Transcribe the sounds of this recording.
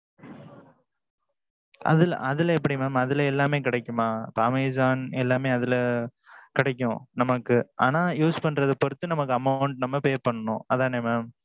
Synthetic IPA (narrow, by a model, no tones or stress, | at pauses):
ʔɐ̰ðɪl̰ʔɐðɪlɛpːɐɽimaːmɐðɪlɐɛlːaːmeːkɪɽɐkːɯmaːpaːmeːsaːnɛlːaːmeːɐðɪl | kɪɽɛkːʊ̰̃nɐmɐkːɯʔa̰ːnaːjuːspɐɳɾɐðɯpɔɾɯt̪ːɯnɐmɐkːɯɐmɐʊɳʈnɐmːɐpeːɾpɐɳːɐnʊ̰̃ɐðãːneːmaːm